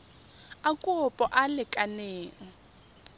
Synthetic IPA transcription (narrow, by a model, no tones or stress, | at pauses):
akʼʊpʼɔʔalɪkʼaneːʔɔ